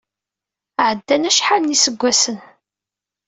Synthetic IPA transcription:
ʕəd̪ːænæʃħalnisəɡʷːæsən

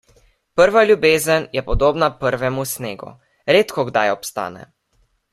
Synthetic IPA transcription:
pəɾʋaljubeːzənjɛpɔd̪oːbnapəɾʋɛmusneːɡṵ | ɾeːt̪kɔɡd̪ajɔpst̪a̰ːnɛ̰

